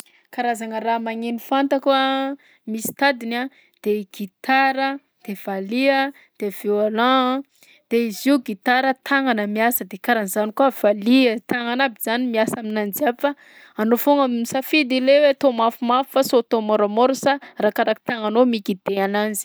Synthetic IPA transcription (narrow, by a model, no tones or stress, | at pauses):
kaɾazaŋəɾamaŋenifant̪akuə | misi̥t̪ad̪ina | d̪̥eɡ̥it̪aɾə | d̪̥ev̥aliə | d̪̥eviolã | d̪̥eiziuɡit̪aɾət̪ʰaŋanəmiasəd̪ekaɾanizanikuəv̥aliət̪aŋanabizanimiasaminand͡ʒiabifa | anofoŋamisafid̪ilewet̪omafumafi̥fasot̪omoɾamoɾsarakaɾaki̥t̪aŋanomikid̪̥eananzi̥